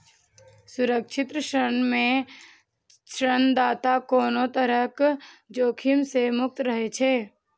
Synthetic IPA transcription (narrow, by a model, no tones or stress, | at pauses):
sʊɾəkʃʰɪt̪ɾəʃɾənmẽ | ʃɾənd̪aːt̪akoːnõt̪əɾəkd͡ʒoːkʰɪmsemʊk̚t̪ɾəɦet͡ʃʰeː